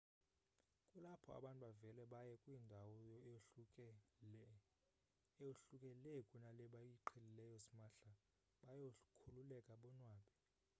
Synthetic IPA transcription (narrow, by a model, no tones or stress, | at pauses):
kʼulapʰɔa̰ɓantʼɓavɛlɛɓajɛkʼwiːndʱawɔjɔ | ɛjoɬukʼɛlɛkʼunalɛɓajiǃʰelilɛjɔsimaɬa | ɓajokʰululɛkʼaɓɔnwaːɓɛ̥